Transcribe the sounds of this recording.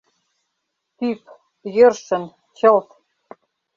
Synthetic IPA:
t̪yp | jɤ̆rʃə̆n | ɕɤ̆lt̪

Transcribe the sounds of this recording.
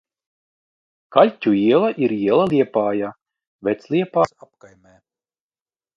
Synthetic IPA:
kalʲcʲuiɛlˠaʔiɾiɛlˠalʲˠiɛpaːja | vɛt̪slˠiɛpaːsap̚kajmɛː

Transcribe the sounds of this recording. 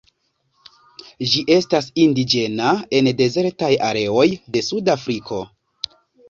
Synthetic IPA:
d͡ʒiʔe̞stasindid͡ʒe̞nae̞nde̞ze̞ɾtajaɾe̞o̞jde̞sudafɾikʰo̞

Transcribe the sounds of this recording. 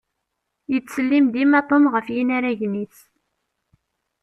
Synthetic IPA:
jət͡sːsəlːimd̪imæt̪ˤomʁəfjinaɾæʝniθ

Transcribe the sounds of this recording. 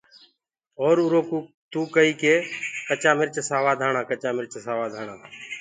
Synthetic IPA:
oːɾuɾoːkː | t̪uːkəiːkeːkət͡ʃaːmɪɾt͡ʃsaːʋaːd̪ʱaːɳãːkət͡ʃaːmɪɾt͡ʃsaːʋaːd̪ʱaːɳãː

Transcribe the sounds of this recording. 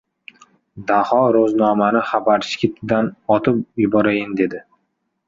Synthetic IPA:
d̪ahɒɾoznɒmanɪχabaɾʃɪ̥kʲɪt̪ʰɪd̪anɒt̪ʰɪpjʊbɒɾajɪnd̪e̞d̪ɪ

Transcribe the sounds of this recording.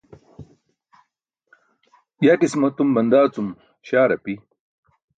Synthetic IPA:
jaːkismɐt̪umbɐnd̪aːt͡sum | ɕaːɾɐpi

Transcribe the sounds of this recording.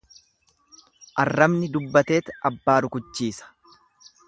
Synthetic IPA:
ʔɐrːɐmnɪd̪ʊbːɐt̪e̞ːt̪ɐbːaːɾʊkʊt͡ʃːiːsɐ̥

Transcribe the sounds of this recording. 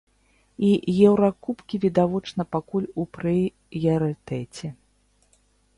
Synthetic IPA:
ijɛwɾakupkʲivʲid̪avɔt͡ʂnɐpakulʲupɾɨ | jɐɾɨt̪ɛt͡sʲɛ

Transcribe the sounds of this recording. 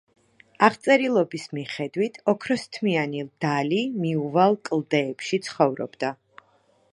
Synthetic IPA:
aʁt̪sʼɛɾilˠɔbismiχɛd̪wit̪ʰɔkʰɾɔst̪ʰmianilˠd̪̥alimiuvalˠkʼlˠd̪ɛːpʃit̪sʰχɔvɾɔ̰bd̪a

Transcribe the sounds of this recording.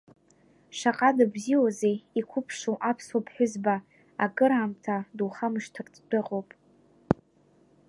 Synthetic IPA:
ʂaqʼadɨbziwazejikʷʰʊpʰʂowʔapʰsopʰħʷᶣʊzbaː | kʼɨɾaːmtʰaduwχamɨʂtʰɨrtʰʼd̥ɨqʼowpʼ

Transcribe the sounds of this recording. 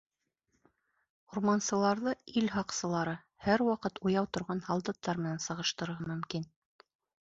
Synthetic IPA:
urmɑnsɤ̆lˠɑɾðɤilɦɑqsɤ̆lˠɑɾɤ | hæɾwɑqɤt̪ujɑwt̪ŏɾʁɑnhɑlˠd̪ɤ̆t̪ːɑɾmɘ̆nænsɤ̆ʁɤ̆ʃt̪ɤ̆ɾɤ̆ʁmɵ̆mkin

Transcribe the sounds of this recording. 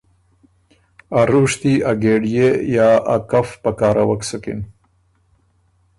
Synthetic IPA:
aɾuʂt̪iaɡeɖijejaːa̰kafpakaːɾʔawaksukḭn

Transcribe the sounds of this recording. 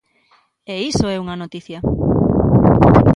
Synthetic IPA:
eisoɛuŋanot̪iθjɐ

